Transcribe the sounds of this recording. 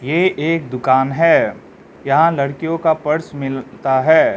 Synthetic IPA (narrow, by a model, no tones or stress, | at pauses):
jeːʔeːk̚d̪ʊkaːnɦɛː | jɐɦãlɐɽkijõkapɐɾsmɪlt̪aɦɛː